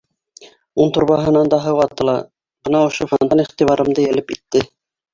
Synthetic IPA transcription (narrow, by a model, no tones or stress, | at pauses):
unt̪ŏɾβɑɦɤ̆nɑnd̪ɑɦɤwɑt̪ːɤ̆lˠɑ | bɤ̆nɑŏʃofɑnd̪ɑniχt̪iβɑɾʔɤ̆md̪ɤjælɘpit̪ːɘ